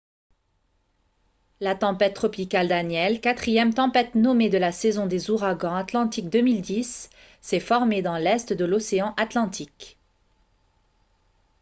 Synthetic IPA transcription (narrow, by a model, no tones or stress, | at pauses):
lat̪ɑ̃pɛt̪̚ːχɔpikald̪anjɛlkat̪χijɛmt̪ɑ̃pɛt̪nɔmed̪əlasɛzɔ̃d̪ezuʁaɡɑ̃at̪lɑ̃t̪ik̚d̪əmild̪isː | ɛfɔʁmed̪ɑ̃lɛst̪d̪əlɔseɑ̃ʔat̪lɑ̃t̪ʰik